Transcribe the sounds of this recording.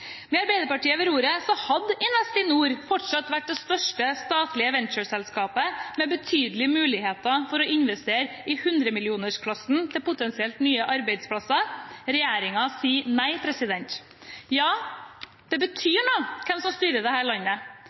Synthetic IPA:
mɛɑɾbæɪd̪əɾpɑʈiːəʋɛɾuːɾəsɔhɑd̪ɪnɛst̪ɪnuːɾfɔʈʂɑt̪ːʋæʈ̚ːd̪ɛst̪œʂʈəst̪ɑːt̪lɪəʋɛnt͡ʃəsɛlskɑːpəmɛbət̪ʰyːd̪lɪmʉːlɪheːt̪ɑfɔɾɔʔɪnʋɛst̪eːɾ | ɪhʉnd̪ɾəmɪlɪuːnəʂkʰlɑsn̩t̪ʰɪlpʊt̪ɛnsɪɛlt̪nyːəʔɑɾbæɪd̪spʰlɑsɑɾɛjæːɾɪŋɑsiːnæɪpʰɾɛsɪd̪ɛnt̪ | jɑː | d̪̥ɛbət̪ʰyːɳoːkʰɛmsɔmst̪yːɾəd̪ɛhæːɭɑnːə

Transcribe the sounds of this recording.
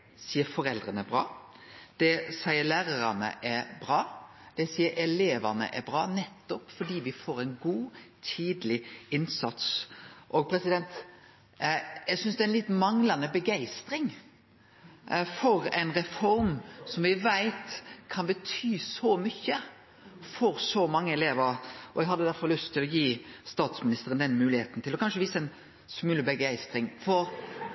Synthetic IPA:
siːəɾfɔɾɛld̪ɾənəbɾɑ̰ːd̪̥ɛsæɪəlæːɾəɾɑnə̰ʔɛɾbɾɑː | d̪̥ɛsiːəɾʔɛleːʋɑnə̰ʔɛɾbɾɑ̰ːnɛt̪ːɔpfɔɖiːʋɪfoːɾæɪnɡuːt̪ʰiːd̪lɪɪnsɑt̪sʔoːɡ̚pʰɾɛsɪd̪ɛnt̪ | jæɪɡsʏnsd̪ɛænlɪt̪mɑŋlɑnəbəɡæɪst̪ɾɪŋ | fɔʁɛɪnʁɛfɔɾmsɔmʋɪʋæɪt̪kʰɑnbət̪ʰyːsɔmʏçːə | fɔɾsɔmɑŋːəɛleːʋəɾɔ̰ɛɡɦɑd̪ːəd̪æɾfɔʁlʉst̪ʰːɪlɔjiːst̪ɑːt̪smɪnɪst̪əɾənd̪ɛnmʉːlɪheːt̪n̩t̪ʰɪlɔkʰɑnʂəʋiːsəɛɪn | smʉləbəɡæɪst̪ɾɪŋfɔɾ

